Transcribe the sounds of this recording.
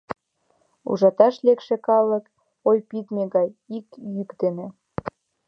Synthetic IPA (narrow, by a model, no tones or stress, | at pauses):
ṵʒɑt̪ɑʃlekʃĕkɑlək | ojpit̪meɣɑjikjykd̪enĕ